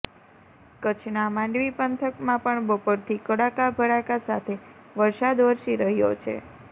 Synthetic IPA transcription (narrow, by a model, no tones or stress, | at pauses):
kət͡ʃʰnamãɳɖʋipənt̪ʰəkmãpəɳbəpoɾt̪ʰikəɽakabʱəɽakasat̪ʰe | ʋəɾsad̪ʋəɾʃiɾəɦjo̰t͡ʃʰḛ